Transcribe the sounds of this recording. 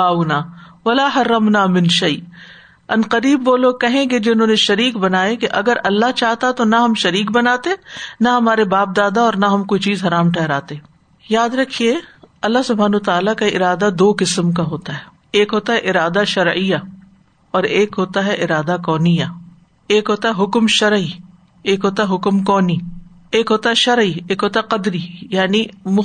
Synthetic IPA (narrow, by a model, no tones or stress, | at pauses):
aːnaːʋɐlaːɦɐrːɐmnaːmɪnʃɐɪ | ɐnqɐɾiːbʋoːloːkɐɦẽɡed͡ʒɪnɦõːneʃɐɾiːkbɐnaːekeʔɐɡəɾɐlːaɦt͡ʃaːɦt̪at̪onɐɦɐmʃɐɾiːk̚bɐnaːt̪enɐɦɐmaːɾebaːp̚d̪aːd̪aɔːɾnaɦɐmkoːit͡ʃiːzɦɐɾaːmʈʰɛɦɾaːt̪e | jaːd̪ɾɐkʰieɐlːaɦsʊbʱaːnːt̪aːlakaɪ̰ɾaːd̪ad̪oːkɪsmk̬aɦoːt̪aɦɛː | eːkɦoːt̪aɦɛʔɪɾaːd̪aʃɐɾija | ɔːɾeːkɦoːt̪aɦɛʔɪɾaːd̪akɔːnija | eːkɦoːt̪aɦɛɦʊkmʃɐɾi | eːkɦoːt̪aɦɛɦʊkmkɔːni | eːkɦoːt̪aɦɛʃɐɾieːkɦoːt̪aqɐd̪ɾijaːnimʊ